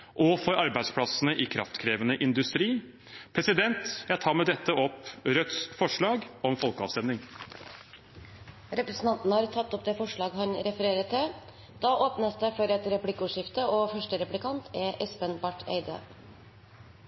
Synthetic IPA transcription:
ʔɔfɔɾɑɾbæɪd̪spʰɽɑsənəʔɪkʰɾɑ̰ft̪kʰɾeːʋənəʔɪnd̪ʉst̪ɾiː | pʰɾɛsɪd̪ɛnt̪jæɪt̪ʰɑːɾmɛd̪ɛt̪ːəɔpɾœt̪sfɔʂɭɑːɡɔmfɔlkəɑ̰ːʋst̪ɛmnɪŋ | ɾɛpɾəsn̩t̪ɑnt̪nəhɑːɾt̪ʰɑt̪ːɔpd̪eːfɔʂɭɑːɡɦɑnɾɛfəɾeːɾət̪ʰːɪ | d̪̥ɑʔoːpnəsd̪efɔɾɛt̪ɾɛplɪkːuːʂɪft̪əoːfœʂʈəɾɛplɪkɑnt̪ʰɛʔɛspənbɑʈʰːḛɪd̪ə̰

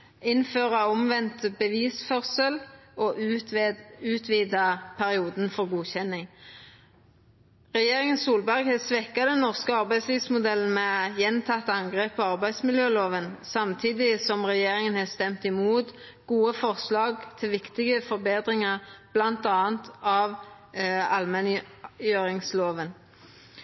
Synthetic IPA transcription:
ɪnføːʁɑɔmʋɛnt̪bəʋiːsfœʁsəlɔʔ | ʉːt̪ʰʋiːd̪ɑpʰæʁɪuːd̪nfɔʁɡuːçɛnːɪŋ | ʁɛjeːʁɪŋənsuːlbæʁɡhɛsʋɛkːɑd̪ɛnːɔʁskəɑʁbæɪd̪sliːʋsmʊd̪ɛln̩mɛjɛnt̪ʰɑt̪ːɑŋɡʁeːpːɔɑʁbæɪd̪smɪljøːloːʋənsɑmt̪ʰiːd̪ɪsɔmʁɛjeːʁɪŋənhɑːst̪ɛmt̪ɪmuːt̪ɡ̥uːəfɔʁslɑːɡt̪ʰɪlʋɪkt̪ɪɡəfɔʁbeːd̪ʁɪŋɑʁb̥lɑnt̪ɑːənt̪ɑʋ | ɑlmɛnjøːɾɪŋsloːʋən

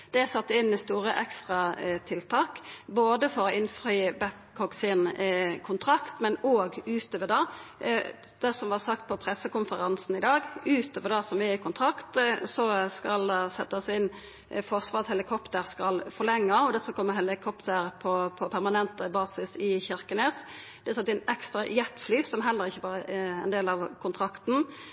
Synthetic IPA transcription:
d̪̥ɛsɑt̪ːəɪnːɪst̪uːʁəʔɛkst̪ʁɑt̪ʰɪlt̪ʰɑːkboːd̪əfɔɾɔɪnfɾyːəbækːʰɔksɪnkʰʊnt̪ʰʁɑkt̪mɛnoːɡʉːt̪øːʋəd̪ɑː | d̪̥ɛsɔmʋɑsɑk̚t̪̚pʰɔpʰɾɛsːəkʊnfəɾɑnsn̩ɪd̪ɑːɡʉːt̪øːʋəɾd̪ɑsɔmɛɪkʰʊnt̪ʰɾɑkt̪sɔskɑld̪ɛsɛt̪ːɑsɪn | fɔʁsʋɑːʁɑt̪hɛlɪkʰɔpt̪əɾskɑlfɔʁlɛŋːɑɔd̪æsɔkʰɔmːəhɛlɪkʰɔpt̪ʰəɾpʰɔpʰɔpʰæʁmɑnɛnt̪əbɑːsɪsɪçɪɾkəneːs | d̪̥ɛsɑt̪ːɪnɛkst̪ʁɑjɛt̪ːflyːsɔmɦɛlːəɾɪçːəʋɑːɾəɛnd̪eːlɑʋkʰʊnt̪ʰɾɑkt̪n̩

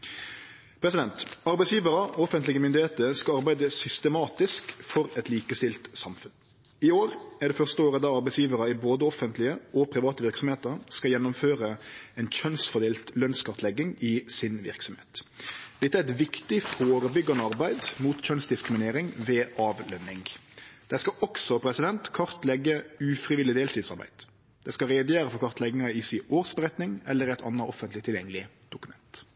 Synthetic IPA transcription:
pʰɾɛsɪd̪ɛnt̪ɑɾbæɪsjiːʋəɾɑɔfənt̪lɪɡəmʏnd̪ɪheːt̪əɾskɑɑɾbæɪd̪əsʏst̪əmɑːt̪ɪskfɔɾɛt̪liːkəst̪ɪlt̪sɑmfʉn | ɪoːɾæʁɖ̪ɛfœʁst̪əoːɾəd̪ɑɑɾbæɪsjiːʋəɾɑɪboːd̪əɔfənt̪lɪəʔɔpʰɾɪʋɑːt̪əʋɪɾksɔmheːt̪əɾskɑjɛnːʊmføːɾəɛɪnc͡çœnsfɔd̪eːlt̪lœnskʰɑʁt̪lɛɡːɪŋɪsɪnʋɪ̰ɾksɔm̩hḛːt̪d̪̥ɛt̪ːæɾʁɛt̪ʋɪkt̪ɪfoːɾəbʏɡːɑnəɑɾbæɪd̪muːt̪c͡çœnsd̪ɪskɾɪmɪneːɾɪŋʋeːʔɑːʋlœnːɪŋd̪̥æskɑʔɔksɔpʰɾɛsɪd̪ɛnt̪kʰɑʁt̪lɛɡːəʉːfɾɪʋɪlːɪd̪eːlt̪ʰiːd̪sɑ̰ɾbæ̰ɪd̪̥ | d̥̪ɛskɑɾɛd̪ɪjæːɾəfɔʁkʰɑʁt̪lɛɡːɪŋɑɪsɪoːʁsbəɾɛt̪nɪŋɛlːəɾɛɪt̪ʰɑ̰nːɑʔɔfənt̪lɪt̪ʰɪljɛŋːəlɪ | d̪̥ʊkʉmɛnt̪

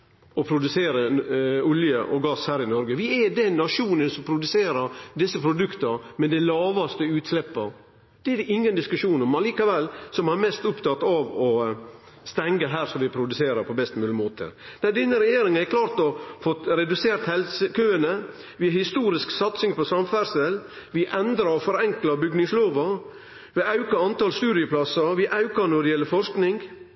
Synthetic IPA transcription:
ɔpʰɾʊd̪ʉseːɾəʊljəʔɔɡɑshæːɾɪnɔɾɡəʋɪɛd̪ɛnːɑʂuːnənsɔmpʰɾʊd̪ʉseːɾəɾd̪ɪsːəpʰɾʊd̪ʉkt̪əɾmɛd̪ɛlɑːʋɑst̪əʉːt̪slɛpːə | d̪̥ɛæɾʔɪŋːənd̪ɪskʉʂuːnɔmɑliːkɑʋɛlːsɔmhɑɾmɛst̪ʊpt̪ʰɑt̪ːɑʋɔ | st̪ɛŋɡəɦæːɾsɔʋɪpʰɾʊd̪ʉseːɾəɾpʰɔbɛst̪mʉːlɪmoːt̪ʰə̰ɾd̪̥ɛd̪ɪnːəɾɛjeːɾɪŋənɛkʰlɑːɾt̪ɔfɔt̪ɾɛd̪ʉseːɾt̪hɛlsəkʰøːənə | ʋɪhɪst̪uːɾɪsksɑt̪sɪŋpʰɔsɑmfæɾsəl | ʋɪʔɛnd̪ɾɑɾɔfɔɾɛŋklɑbʏɡnɪŋsloːʋɑ | ʋɪɑʉkɑɑnt̪ɑlst̪ʉːd̪ɪəpʰlɑsɑɾʋɪʔɑʉkɑɾnɔd̪ɛjɛlːəɾfɔɾʂknɪŋ

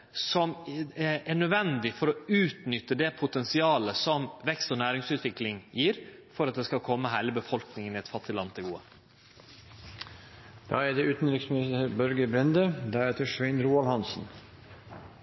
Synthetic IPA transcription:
sɔm | æɳœd̪ʋɛnd̪ɪfɔɾɔʉːt̪nʏt̪ːəd̪ɛpʰʊt̪ɛnsɪɑːləsɔmʋɛkst̪oːnæːɾɪŋsʉːt̪ʋɪklɪŋjiːɾfɔɾɑt̪̚d̪eːskɑlkʰɔmːəɦæɪləbəfɔlknɪŋənɪɛt̪fɑt̪ʰːɪlɑnːt̪ʰɪɡuːə̰ | d̪̥ɑːɛɖɛʉːt̪n̩ɾɪksmɪnɪst̪əɾbœɾɡəbɾɛnd̪əd̪æɾeːt̪əʂʋæɪnɾuːɑlhɑnsn̩

